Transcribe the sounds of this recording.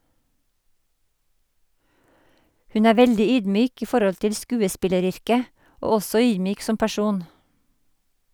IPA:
ˈhʉn ˈæː ˈʋɛldɪ ˈyːdˌmyːk ˈiː ˈfɔɾɔl ˈtɪl ˈskʉːəˌspɪləˌɾʏɾkə ˈoː ˈɔsɔ ˈyːdˌmyːk ˈsɔm pæˈʃuːn

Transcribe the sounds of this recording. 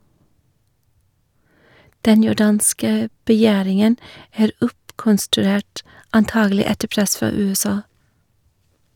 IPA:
ˈdɛn jʊˈɖɑːnskə bəˈjæːɾɪŋən ˈæːɾ ˈʊpkɔnstʉˌɾeːʈ ɑnˈtɑːɡl̩ˌɪ ˈɛtə ˈpɾɛs ˈfɑː ˌʉːɛˈsɑː

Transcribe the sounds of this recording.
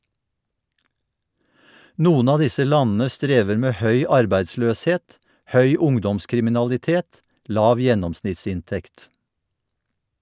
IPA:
ˈnuːən ˈɑː ˈdɪsə ˈlɑnn̩ə ˈstɾeːʋəɾ ˈmeː ˈhœʏ ˈɑɾbæɪdˌsløːsˌheːt ˈhœʏ ˈʊŋdɔmskɾɪmɪnɑlɪˌteːt ˈlɑːʋ ˈjɛnɔmsnɪtˌsɪnˌtɛkt

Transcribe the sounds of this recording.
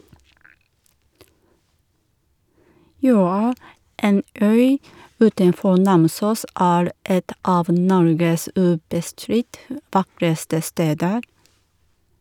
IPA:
ˈjøːɑ ˈeːn ˈœʏ ˈʉːtənˌfɔ ˈnɑmˌsuːs ˈæːɾ ˈɛt ˈɑːʋ ˈnɔɾɡəs ˈʉːbəˌstɾɪt ə ˈʋɑkɾəstə ˈsteːdəɾ

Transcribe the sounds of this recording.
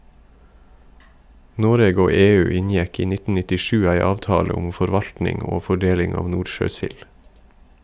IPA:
ˈnoːɾeːɡ ˈoː ˈeːˌʉː ˈɪnjɛk ˈiː ˈnɪtn̩ nɪtɪˈʃʉː ˈæɪ ˈɑːʋtɑːlə ˈʊm fɔɾˈʋɑʎtnɪŋ ˈoː fɔˈɖeːlɪŋ ˈɑːʋ ˈnuːʃøːˌsɪl

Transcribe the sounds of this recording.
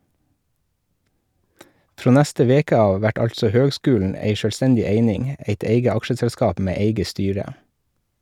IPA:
ˈfɾoː ˈnæstə ˈʋeːkə ˈɑːʋ ˈʋæʈ ˈɑlsɔ ˈhøːɡˌskʉːln̩ ˈæɪ ʃœlˈstɛndɪ ˈeɪnɪŋ ˈeɪt ˈeɪɡə ˈɑkʃəsɛlˌskɑːp ˈmeː ˈeɪɡə ˈstyːɾə

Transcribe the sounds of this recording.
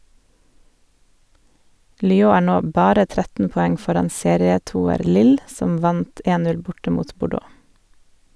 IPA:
lʏˈoː ˈæː ˈɳoː ˈbɑːɾə ˈtɾɛtn̩ pɔˈɛŋ ˈfɔɾɑn ˈseːɾɪəˌtuːəɾ ˈlɪl ˈsɔm ˈʋɑnt ˈeːn ˈnʉl ˈbʊʈə ˈmuːt bʊˈɖoː

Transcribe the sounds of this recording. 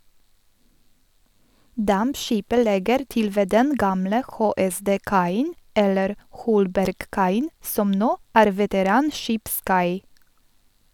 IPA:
ˈdɑmpˌʃiːpə ˈlɛɡəɾ ˈtɪl ˈʋeː ˈdɛn ˈɡɑːmlə ˌxoːɛˌsdeːˈkɑɪn ˈɛləɾ ˈhɔlbæɾɡˌkɑɪən ˈsɔm ˈnoː ˈæːɾ ʋɛtəˈɾɑːnˌʃiːpˌskɑɪ

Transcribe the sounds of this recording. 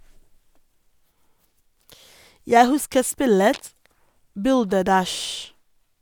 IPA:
ˈjæɪ ˈhʉskə ˈspɪlət ˈbʉldəˌdæʃ

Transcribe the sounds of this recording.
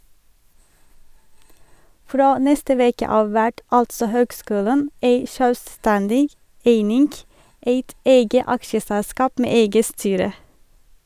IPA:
ˈfɾoː ˈnɛstə ˈʋeːkə ˈɑːʋ ˈʋæʈ ˈɑltsɔ ˈhøːɡˌskʉːlən ˈeɪ ʃœlˈstɛndɪɡ ˈeɪnɪŋɡ ˈeɪt ˈeɪɡə ˈɑkʃəsælˌskɑːp ˈmeː ˈeɪɡə ˈstyːɾə

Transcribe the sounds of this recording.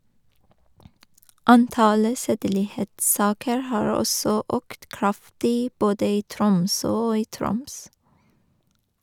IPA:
ˈɑnˌtɑlə ˈseːdəlɪˌheːtˌsɑːkəɹ ˈhɑːɹ ˈɔsɔ ˈøːkt ˈkɹɑftɪ ˈboːdə ˈiː ˈtɾʊmsøː ˈoː ˈiː ˈtɾʊms

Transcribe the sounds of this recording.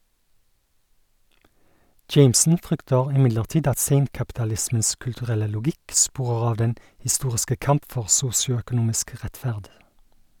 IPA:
ˈd͡ʒeɪmsn̩ ˈfʁʏktəʁ ɪˈmɪdləʁˌtiːd ˈɑt ˈseɪŋkɑptɑˌlɪsməns kʉltʉˈʁɛlə lʊˈɡɪk ˈspuːʁəʁ ˈɑːʋ ˈdɛn hɪˈstuːʁɪskə ˈkɑmp ˈfɔʁ ˈsuːsɪʊœkʊˌnuːmɪsk ˈʁætˌfæʁd

